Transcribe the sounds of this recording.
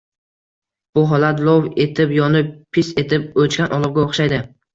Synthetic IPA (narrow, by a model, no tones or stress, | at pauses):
b̥ʊɦɒlˠat̪lˠowet̪ʰɪpjɒnɪppʰːɪse̞t̪ʰɪp̚ot͡ʃkʲanʔɒlˠɨʁɡʲaoχʃajd̪ɪ